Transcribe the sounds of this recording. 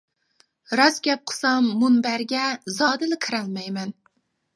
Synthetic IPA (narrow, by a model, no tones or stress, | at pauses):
ɾɒsɡʲap̚qʰɨ̥sɑmːʊnbaɾɡʲazɒd̪ɨlɪkʲʰɨɾalˠmajmæn